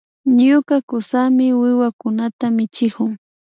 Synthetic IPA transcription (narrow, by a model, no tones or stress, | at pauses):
ɲʊkakʊsamɪwɪwakʊnat̪amɪt͡ʃɪkʊŋ